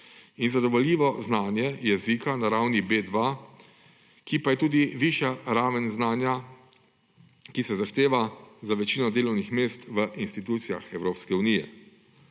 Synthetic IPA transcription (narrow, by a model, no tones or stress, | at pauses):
inzad̪ɔʋɔljiːʋɔznaːnjɛjɛzikanaɾaːwnibeːd̪ʋa | kipajɛt̪uːd̪iʋiːʃjaɾaːʋənznaːnja | kisɛzaxt̪eːʋazaʋɛt͡ʃiːnɔd̪eːlɔwnixmeːst̪ʋəʔinst̪it̪uːt̪sija̰xɛwɾoːpskɛunijɛ̰